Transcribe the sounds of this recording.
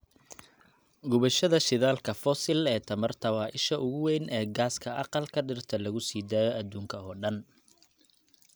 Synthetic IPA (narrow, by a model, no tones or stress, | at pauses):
ɡʊβɐʃɐðɐʃɪðaːlkʰɐfɔsɪlɛːt̪ʰɐmɐrt̪ʰɐwɑːʔɪʃɐʔʊɣʊwɛːnʔɛːɡaːskʰɐʔɑ̰qɑlkʰɐɖɪrt̪ʰɐlɐɣʊsiːd̪aːjɔʔɐd̪uːŋkʰɐɔːɖɐn